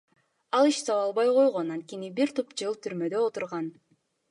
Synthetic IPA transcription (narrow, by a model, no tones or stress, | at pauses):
ɑlˠiʃsɑwɑlˠβɑjqo̞jʁo̞nɑnt̪̚kʲenibiɾt̪ʰupd͡ʒɯlˠt̪ʰyɾmø̞d̪ø̞ot̪uɾʁɑn